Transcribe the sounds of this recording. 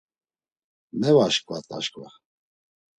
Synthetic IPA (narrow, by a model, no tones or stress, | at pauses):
mɛvaʃkʼvat̪ʼa̰ʃkʼvɛ̰χ